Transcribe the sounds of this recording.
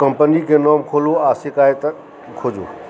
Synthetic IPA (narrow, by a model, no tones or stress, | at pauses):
kɐmpənikʰẽːnɔːmkʰoːloaːsɪkaːet̪ | kʰoːd͡ʒo̰ː